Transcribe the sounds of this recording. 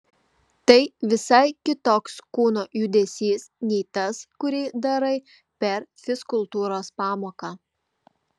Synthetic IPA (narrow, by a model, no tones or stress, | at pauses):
t̪ɐɪʋʲɪsɐɪkʲɪt̪oːkskuːnoːjud̪ʲɛsʲiːsnʲɛɪt̪ɐskʊɾʲɛːd̪ɐɾɐɪ | pʲɛɾfʲɪskʊlˠt̪uːɾoːspɑːmoːkɑː